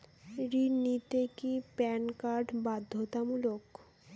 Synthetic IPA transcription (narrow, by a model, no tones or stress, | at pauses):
ɾinit̪ekipɛnkaɾɖbad̪ʱːot̪amulok